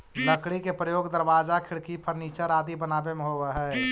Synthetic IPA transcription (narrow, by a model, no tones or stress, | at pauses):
ləkɽikepɾəjoːɡd̪əɾbad͡ʒakʰɪɽkipʰəɾnit͡ʃəɾad̪ibənabemẽɦobəɦɛ